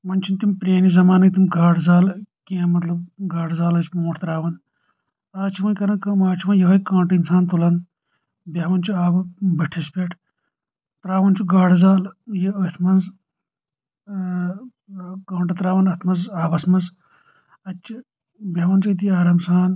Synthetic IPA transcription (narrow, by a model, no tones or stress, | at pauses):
mɐnt͡ʃʰint̪impɾeːnizɐmaːnɐkt̪imɡaːɽzaːlkẽːmɐt̪lɐb̚ɡaːʈzaːlɐt͡ʃʰmoːʈʰt̪ɾaːʋɐn | t̪aːt͡ʃʰiʋɐnkɐɾɐnkɐmaːt͡ʃʰiʋɐnjɐɦɐjkãːɳʈɐinsaːnt̪ulɐn | bʲɐːʋɐnt͡ʃʰuaːbɐbɐʈʰispʲeːʈʰ | t̪ɾaːʋɐnt͡ʃʰuɡaːʈzaːljiɐt̪ʰmɐnz | kãːɳʈɐt̪ɾaːʋɐnɐt̪ʰmɐnzaːbɐsmɐz | ɐt͡ʃːʰi | bʲɐʋɐnt͡ʃɐt̪̬iaːɾɐmsaːn